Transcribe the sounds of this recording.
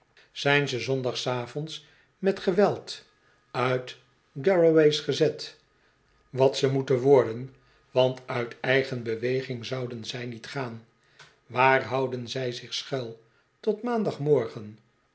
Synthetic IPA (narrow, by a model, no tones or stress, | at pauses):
z̥ɛjnzəzɔndɑχsaːvɔnts | mɛtχəʋɛlˠt | œɥt | ɡɛɹowejsχəzɛt | ʋɑtsəmutənʋɔɹdən | ʋɑntœɥtɛjχənbəʋejχɪŋzɑwdənzɛjnitχaːn | ʋaːrɦɑwdənzɛjzɪχsχɛlˠ | tɔtmaːndɑχmɔɹχən